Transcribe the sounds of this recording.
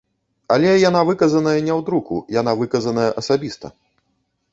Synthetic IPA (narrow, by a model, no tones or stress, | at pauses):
alʲɛjan̪avɨkɐzɐnɐjɐnʲɛwd̪ɾukṵjan̪avɨkɐzɐnɐjɐʔɐsabʲist̪ɐ̰